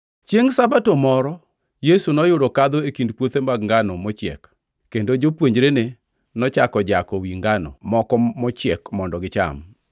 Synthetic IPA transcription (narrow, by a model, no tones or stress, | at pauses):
t͡ʃjeŋsabatomɔɾɔ | jesunɔjʊɾɔkad̪oekindpwot̪emaɡŋɡanɔmɔt͡ʃɪɛ̰kː | endod͡ʒopwoɲd͡ʒɾene | nɔt͡ʃakɔd͡ʒakɔwiŋɡanɔ̰mɔkɔmɔt͡ʃɛkmɔndɔɡɪt͡ʃa̰m